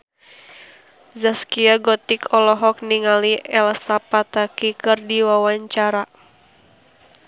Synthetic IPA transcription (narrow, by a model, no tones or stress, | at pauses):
zaskiaɡɔt̪ikʰɔlɔɦɔk̚niŋaliʔɛlsapat̪akikɨrdiwawaɲt͡ʃaɾa